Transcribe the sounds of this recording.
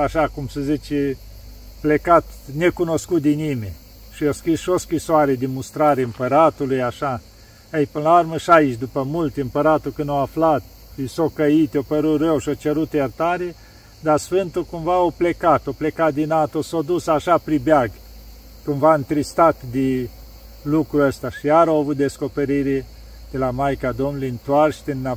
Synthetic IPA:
aʃakumsəzit͡ʃe | plekat̪nekunoskut̪̚d̪inimḛ | ʃioskɾisʃioskɾisoaɾed̪emust̪ɾaɾeɨmpəɾat̪ulujaʃa | əjpɨnəlaarməʃait͡ʃʲd̪upəmult̪ʲɨmpəɾat̪ukɨnoaflat̪̚ | isokəit̪jopəɾut̪rewʃiot͡ʃeɾut̪jert̪aɾe | d̪arsfɨnt̪ukumvaoplekat̪oplekat̪̚d̪inat̪osod̪usaʃapɾibeaɡ | kumvaɨnt̪ɾist̪at̪d̪e | lukɾuəst̪aʃijaɾawavut̪̚d̪e̞sko̞peɾiɾe | d̪̥e̞lamajkad̪o̞mnlijɨnt̪uarʃt̪ena

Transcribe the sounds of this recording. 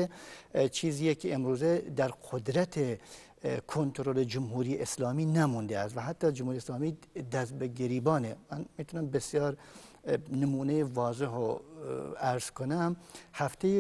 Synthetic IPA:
et͡ʃʰiːziːjekʰeʔemɾuːzed̪æɾqʰod̪ɾæt̪ʰe | kʰont̪ʰoɾoled͡ʒʊmɦuːɾiːeʔeslɑːmiːnæmund̪eæst̪væɦæt̪ːɒːd͡ʒʊmhuːɾieslɑːmiːd̪æzbeɡeɾiːbɒːnemænmiːt̪ʰunæmbesijɒːɾ | nemuːnejevɒːzeɦo | æɾz̥kʰonæmhæft̪ʰeje

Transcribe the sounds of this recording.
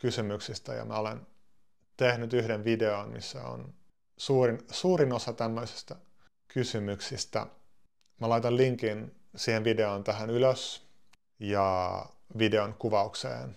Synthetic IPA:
kysymyksist̪æ̰jɑ̰mæolḛn | t̪ehnyt̪yhdenʋideonmḭsːæ̰o̰n | suːrinsuːrinosɑt̪æmːøisi̥st̪æ | kysymyksist̪æ̰ | mælɑit̪ɑlliŋkin | siːhenʋide̞ont̪æɦænyløs | jɑʋideonkuʋɑuksḛːn

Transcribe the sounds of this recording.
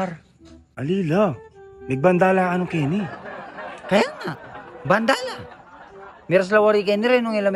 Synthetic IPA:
ɾ | ʔɐliːlanɐɡ̚bɐnd̪aːlaɐnokɛːni | kɐjaŋabɐnd̪aːla | mɛɾas̬lɐwaɾikɛnɪɾɛnʊŋɪlɐm

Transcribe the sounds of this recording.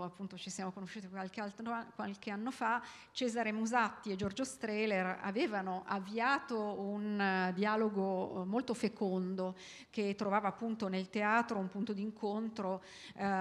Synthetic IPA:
apːunt̪ot͡ʃisjaːmokonoʃːuːt̪ikwalkealt̪ɾokwalk̟eanːofa | t͡ʃɛːzaɾemuzat̪ːied͡ʒord͡ʒost̪ɾɛːlera̰veːvanoʔavːiaːt̪ound̪ialoɡomolt̪ofekond̪o | ket̪ːɾovaːvaːpːunt̪onelt̪eaːt̪ɾoumpunt̪od̪iŋkʰont̪ɾo

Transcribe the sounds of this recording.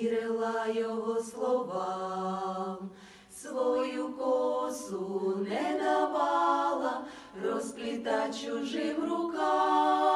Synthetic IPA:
ɾɪlˠajɔɦɔslˠɔva | m | svɔjukɔsunɛd̪avalˠɐ | rɔsplʲɪt̪at͡ɕʊʐɪmɾʊka

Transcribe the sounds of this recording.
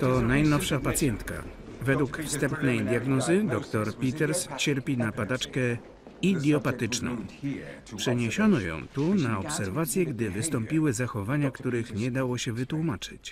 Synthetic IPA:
t̪ɔnajnɔfʂapat̪sʲjɛnt̪ka̰vɛd̪wukfst̪ɛmpnɛjd̪ʲjaɡnɔzɘd̪ɔkt̪ɔɾpʲit̪ɛɾst͡ɕɛɾpʲinapad̪at͡ʂkɛ | id̪ʲjɔpat̪ɘt͡ʂnɔ̰̃w̃ | pʂɛɲeɕɔnɔjɔ̰̃w̃t̪unaɔpsɛɾvat̪sʲjɛɡd̪ɘvɘst̪ɔmpʲiwɘzaxɔvaɲakt̪uɾɘxɲɛd̪awɔɕɛvɘt̪wumat͡ʂɘ̥̰t͡ɕ

